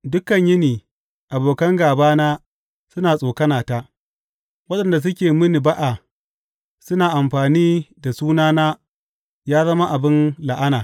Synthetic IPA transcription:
dʊ˦kɐ˨ɲjɪ˦niː˨ | ʔa˨boː˨kɐ˦ŋɡaː˨baː˦naː˦ | sʊ˦naː˨sʼoː˨kɐ˦naː˨ta˦ | wɐ˦ɗɐ˨nda˨s̬ʊ˦kʲeː˨mɪ˦ni˨ba˦ʔa˨ | sʊ˦naː˨ʔa˨mɸaː˨niː˦da˨suː˦naː˦naː˦ | jaː˦zɐ˦ma˦ʔa˨bɪ˦nla˨ʔa˦naː˨

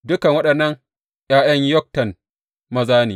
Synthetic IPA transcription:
dʊ˦kɐ˨ŋwɐ˦ɗɐ˨nːɐ˦ŋ | j̰aː˦j̰ɐ˦ɲjɔ˦k̚tɐ˨n | mɐ˦zaː˦nḭː˨

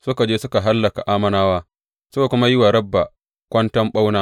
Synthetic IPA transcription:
sʊ˦ka˨d͡ʒeː˦sʊ˦ka˨ɦa˦lːɐ˨ka̰˨ʔaː˦mɐ˦naː˦waː˦ | sʊ˦ka˨kʷʊ˦ma˦jɪ˦wa˨ɽɐ˦bːa˨ | kʷɐ˦ntɐ˦mɓa˦wnaː˦

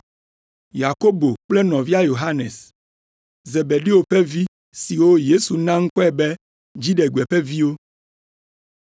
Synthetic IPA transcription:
ja˨ko˦bo˨k͡plɛ˦nɔ̃˨vi˦a˦jo˨ɦa˦nẽ˨s | ze˨be˨ɖi˦wo˨ɸɛ˦vi˦ | si˨wo˦je˦su˨nã˦ŋ̩˦kɔ˦ɛ˨bɛ˦ | d͡ʑi˦ɖɛ˨ɡu˨ɛ˨ɸɛ˦vi˦wo˦

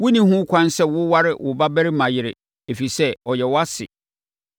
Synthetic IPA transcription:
wʊ˦nĩ˦hũ˦kʷʰã˦nsɛ˦wʊ˦wa˦ɾɪ˦wʊ˨ba˦bæ˦ɾɪ˦mã˨jɪ˨ɾɪ˨ | e˨fi˨sɛ˦ɔ˨jɛ˨wa˦sɪ̰˨

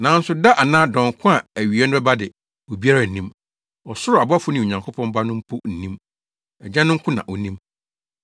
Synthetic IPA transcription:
nã˨˦n̩˦sʊ˨da˦ʔa˨nãː˦dɔ̃˨ŋ˨kʰʊ̃˦a˨æ˨ɥi˨ɛ˦n˦bɛ˦ba˦dɪ˨ | o˨bi˦a˦ɾa˦˨n̩˨nĩ˦m | ɔ˨sʊ˦ɾʊ˨a˨ba˦fʊ˦nɪ̃˨ɲã˨ŋkʰo˦pʰɔ̃˦m˦ba˦nʊ̃˦m̩˦pʰu˦n̩˨nĩ˦m | ɛ˨d͡ʑã˦nʊ̃˦ŋ̩˦kʰʊ̃˦nã̰˨ʔɔ˨nĩ˦m

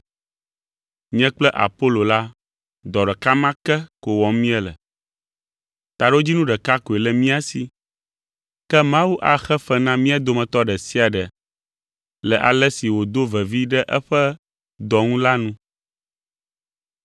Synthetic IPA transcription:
ɲɛ̃˦k͡plɛ˦ʔa̰˨po˦lo˨la˦ | d̪ɔ˨ɖɛ˨ka˦mã˦kɛ˦ko˨wɔ˨mĩ˦ɛ˦lɛ̰˨ | t̪a˨ɖo˦d͡ʑi˦nũ˦ɖɛ˨ka˦ko˨e˨lɛ˨mĩ˦a˨si˨ | kɛ˦mã˦wu˦ʔa˨xɛ˦ɸɛ˦nã˦mĩ˦a˨d̪o˦mɛ̃˨t̪ɔ˦ɖɛ˨si˦a˨ɖɛ˨ | lɛ˨ʔa̰˨lɛ˦si˨wo˨d̪o˦vɛ˨vi˦ɖɛ˦ʔɛ˦ɸɛ˦ | d̪ɔ˨ŋũ˦la˦nũ˦

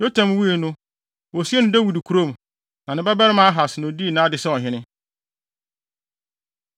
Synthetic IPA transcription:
jo˦tʰã˨m˦wu˦e˨nʊ̃˦ | wo˨si˦ɛ˦nʊ̃˦dɛ˦wu˨di˨kʰu˨ɾo˦˨m˨ | nã˨nɪ̃˦bɛ˦bɛ˦ɾɪ˦mã˦a˦ɦa˨sɪ˨nʊ̃˨di˦˨nã˨˦dɪ˨sɛ˦ɔ˨ɦɪ̃˦nɪ̃˦

